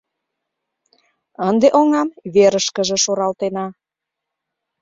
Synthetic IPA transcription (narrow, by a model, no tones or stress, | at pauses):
ənd̪eʔoŋɑmβeɾəʃkəʒĕʃoɾɑlt̪enɑ